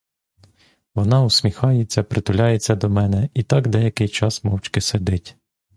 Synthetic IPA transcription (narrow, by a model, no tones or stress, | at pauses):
ʋɔnɑʊsʲmʲixɑjet͡sʲːɐpɾɪt̪ʊlʲɑjet͡sʲːɐd̪ɔmɛnɛit̪ɑkd̪ɛjɐkɪjt͡ʃɑsmɔwt͡ʃkɪsed̪ɪtʲ